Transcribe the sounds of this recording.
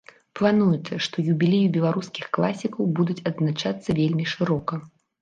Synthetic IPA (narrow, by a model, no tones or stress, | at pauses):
plˠanujut̪sːɐʂt̪ɔjubʲilʲejubʲɛlˠaɾuskʲi̥xklˠasʲikɐwbud̪ut͡sʲɐd̪znat͡ʂat̪sːɐvʲelʲmʲiʂɨɾɔkɐ